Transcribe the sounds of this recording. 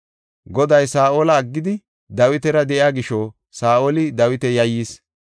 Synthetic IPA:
ɡɔd̪ɐjsaːʔoːlɐːɡːɪd̪ɪ | d̪ɐwɪt̪ɛɾɐd̪ɛʔjaːɡɪʃɔ | saːʔoːlɪd̪ɐwɪt̪ɛjɐjːiːs

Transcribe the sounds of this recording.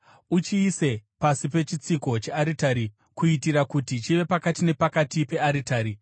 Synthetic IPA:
ut͡ʃiːse̞pasipe̞t͡ʃit͡siko̞t͡ʃe̞aɾitaɾi | kuitiɾakutit͡ʃiʋe̞pakatine̞pakatipe̞aɾitaːɾi

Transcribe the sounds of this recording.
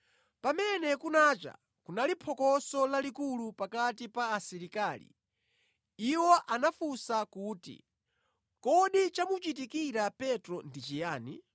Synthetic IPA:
pamɛnɛkunat͡ʃa̰ | kunalipʰɔkɔsɔlalikulupakatipaːsiɾikaːlḭ | iwɔʔanafusakuːtḭ | kɔɗit͡ʃamut͡ʃit̬ikiɾapɛtɾɔndit͡ʃijaːnḭ

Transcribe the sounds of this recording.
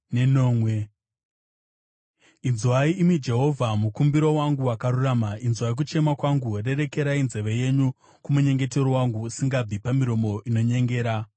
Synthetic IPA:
neno̞ːmwe̞ | inzuwaiimwid͡ʒe̞ɦo̞vʱamukumbiɾo̞waŋɡuwakaɾuramainzwaik̬ut͡ʃe̞makwaŋɡure̞ɾe̞ke̞ɾainze̞ʋe̞je̞ɲu | kumuɲe̞ŋɡe̞te̞ɾowaŋɡuːsiŋɡab͡vipamiɾo̞mo̞ʔino̞ɲe̞ŋɡe̞ːɾa

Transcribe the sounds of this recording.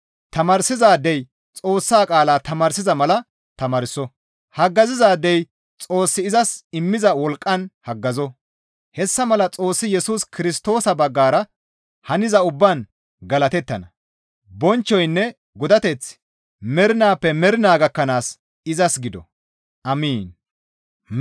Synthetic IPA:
t̪ɐmɐɾsɪzaːd̪ɛj | t͡sʼo̞ːsːaːkʼaːlaːt̪ɐmɐɾsɪzɐmɐlɐ | t̪ɐmɐɾɪsɔ | hɐɡːɐzɪzaːd̪ɛj | t͡sʼo̞ːsːɪɪzɐsɪmːɪzɐwɔlkʼːɐnhɐɡːɐzɔ | hɛsːɐmɐlɐt͡sʼo̞ːsːɪjɛsuːskɪɾɪst̪o̞ːsɐbɐɡːaːɾɐ | hɐnɪzɐʊbːan | ɡɐlɐt̪ɛt̪ːɐnɐ | bɔnt͡ʃːɔjnːɛ | ɡɔd̪ɐt̪ɛt͡s | mɛɾɪnaːpːɛmɛɾɪnaːɡɐkːɐnaːs | ɪzɐsɡɪd̪ɔ | ʔɐmiːn

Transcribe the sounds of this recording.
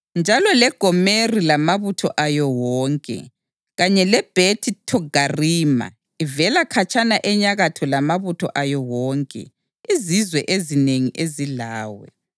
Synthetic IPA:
nd͡ʒʱalɔlɛɡ̥ʱɔmerilamaβutʰɔʔajɔwɔːŋkʼɛ̰ | ɣaɲɛlɛb̥ʱetʰʼitʰɔɡʱariːma̰ | ivɛlakʰat͡ʃʰʼanaʔɛɲaɣatʰɔlamaβutʰɔ̰ʔajɔwɔːŋkʼɛ̰ | izizwɛʔezineŋiʔezilaːwɛ̰

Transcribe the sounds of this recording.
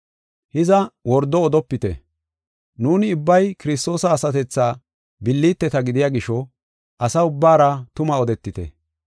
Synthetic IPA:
hɪzɐwɔɾd̪ːɔːd̪ɔpːɪt̪ɛ̰ | nuːnɪʊbːɐjkɪɾɪs̬t̪o̞ːsɐːsɐt̪ɛt͡sːaː | bɪlːiːt̪ːɛt̪ɐɡɪd̪ɪjaːɡɪʃɔ | ʔɐsɐʊbːaːɾɐt̪ʊmɐɔd̪ɛt̪ːɪt̪ɛ̰

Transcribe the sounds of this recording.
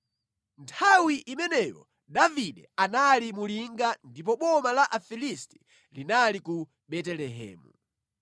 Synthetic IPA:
ntʰawiʔimɛnɛjɔ̰ | daviɗɛanalimuliŋɡandip̬ɔɓɔmalaʔafilisti̥ | linaliku | ɓɛtɛlɛɦɛ̰ːmu

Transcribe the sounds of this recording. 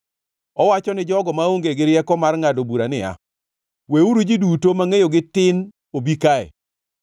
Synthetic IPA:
ɔwat͡ʃɔnɪd͡ʒɔɡɔmaoŋɡeɡɪɾjɛkɔmarŋadobuɾanɪa̰ | weuɾud͡ʒidutomaŋejoɡɪtɪn | obikaɛ̰

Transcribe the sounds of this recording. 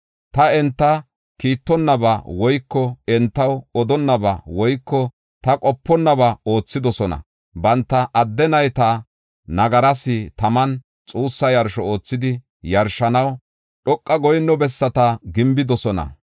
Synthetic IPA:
t̪ɐɛnt̪ːɐ | kiːt̪ːɔnːɐbɐwɔjkːɔɛnt̪ːɐwɔd̪ɔnːɐbɐwɔjkːɔ | t̪ɐkʼɔpːɔnːɐbɐo̞ːt͡sːɪd̪ɔsɔnɐ̰ | bɐnt̪ːɐʔɐd̪ːɛnɐjt̪ɐ | nɐɡɐɾɐsɪt̪ɐmɐn | t͡sʼuːsːɐjɐɾʃɔo̞ːt͡sːɪd̪ɪ | jɐɾʃɐnɐw | ɗɔkʼːɐɡɔjnːɔbɛsːɐt̪ɐɡɪmbɪd̪ɔsɔnɐ̰

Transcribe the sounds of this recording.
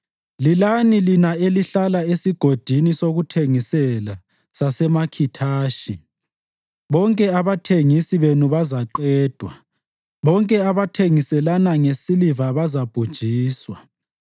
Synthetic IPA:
lilanilinaeliɬalaesiɡ̥ʱod̥ʱinisoɣutʰeŋisɛla | sasɛmakʰitʰaːʃi | βɔŋkʼɛaβatʰeŋisiβenuβazaǃɛːd̥ʱwa̰ | βɔŋkʼɛaβatʰeŋisɛlanaŋesilivaβazab̥ʱud̥ʒ̥ʱiːswa

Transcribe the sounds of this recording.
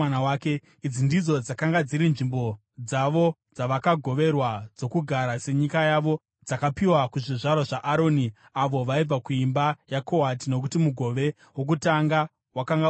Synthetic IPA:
anawaːke̞ | id͡zindid͡zo̞d͡zakaŋɡad͡ziɾinʐimbo̞ | d͡zaʋo̞d͡zaʋakaɡʱo̞ʋe̞rwad͡zo̞kuɡʱaɾase̞ɲikajaʋo̞ | d͡zakapiwakuʐiʐaɾaʐaʔaɾo̞ːni | aʋo̞ʋaib͡vakuimbajako̞watino̞k̬utimuɡʱo̞ʋe̞ | wok̬utaŋɡa | wakaŋɡa

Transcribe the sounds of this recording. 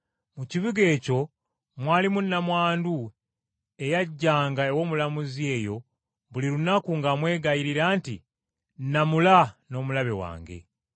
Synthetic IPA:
muciβiɡe̞ːco̞ | mwaːlimunːamwaːndu | e̞jaɟːaːŋɡaewo̞ːmulamuzie̞ːjo̞ | βuliɾunakuŋɡamwe̞ːɡajiɾiɾaːntḭ | namulano̞ːmulaβe̞wa̰ːŋɡe̞̰

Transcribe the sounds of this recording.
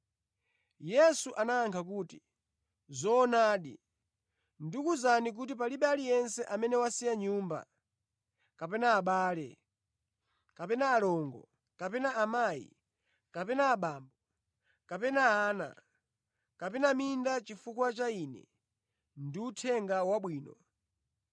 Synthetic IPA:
jɛsuʔanaːŋkʰak̬uːti | zɔːnaːɗḭ | ndikuzanik̬utip̬aliɓalijɛnsɛʔamɛnɛwasijaɲuːmba̰ | kapɛnaːɓaːlɛ̰ | kapɛnaːlɔŋɡɔ̰ | kapɛnaamaːjḭ | kapɛnaːɓaːmbɔ | kapɛnaaːna̰ | kapɛnamindat͡ʃifukwat͡ʃaiːnɛ̰ | ndiutʰɛŋɡawaɓwiːnɔ

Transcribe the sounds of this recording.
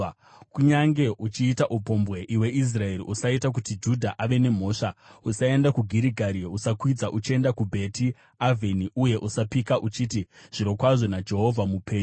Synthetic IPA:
kuɲaŋɡe̞ʔut͡ʃiːtaʔupo̞mbwe̞ʔiwe̞ʔis̬rae̞ɾiʔusaitak̬utid͡ʒudʱaʔaʋe̞ne̞m̤o̞ːʂausae̞ndakuɡʱiɾiɡʱaɾiusakwid͡zaʔut͡ʃie̞ndakubʱe̞ti | avʱiniʔuje̞ʔusapikaʔut͡ʃitiʐ̥iɾo̞kwaʐo̞nad͡ʒe̞ɦo̞vʱamupe̞ːɲu

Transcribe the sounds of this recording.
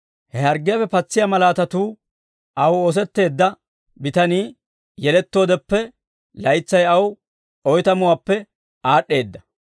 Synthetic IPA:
hɛhɐɾɡɪjɐfːɛpɐt͡sːɪjɐmɐlaːt̪ɐt̪uː | ʔɐwoːs̬ɛt̪ːe̞ːd̪ːɐ | bɪt̪ɐniː | jɛlɛt̪ːo̞ːd̪ɛpːɛ | lɐjt͡sːɐjɐw | ʔɔjt̪ɐmʊwaːpːɛ | ʔaːɗːe̞ːd̪ːɐ

